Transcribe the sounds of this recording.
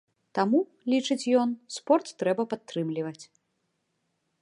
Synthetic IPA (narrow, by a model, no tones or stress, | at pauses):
t̪amu | lʲit͡ʂɨt͡sʲjɔnspɔrt̪ːɾɛbɐpat̪ːɾɨmlʲivɐt͡sʲ